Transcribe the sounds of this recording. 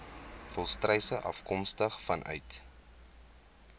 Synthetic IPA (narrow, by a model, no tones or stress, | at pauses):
fɔlˠstrɛjsəʔɐ̰fkɔmstəχfɐnʔœ̰ɥt